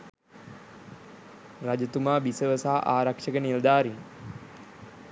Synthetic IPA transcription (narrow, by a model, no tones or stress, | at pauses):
rad͡ʒət̪umaːbisəʋəsaːʔaːɾakʂəkənild̪aːɾiŋ